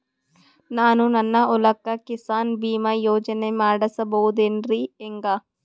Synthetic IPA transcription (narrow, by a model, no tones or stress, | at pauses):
naːnũnɐnːaʔʊlɐkːakɪsaːnbiːmaːjoːd͡ʒəneːmaːɖɐsɐboːd̪enɾiːeŋɡaː